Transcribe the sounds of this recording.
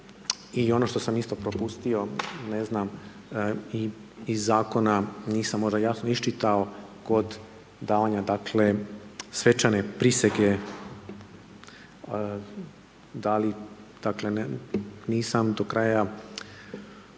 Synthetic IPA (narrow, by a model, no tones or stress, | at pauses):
io̞no̞ʃt̪o̞samist̪o̞pɾo̞pust̪io̞neznam | i | izːaːko̞naniːsamːo̞ʒd̪ajasnoiʃt͡ʃit̪aoko̞d̪ | d̪aːʋaɲad̪akʰle̞sʋe̞t͡ʃane̞pɾise̞ɡe | d̪alid̪̥akle̞nniːsamd̪o̞kɾaja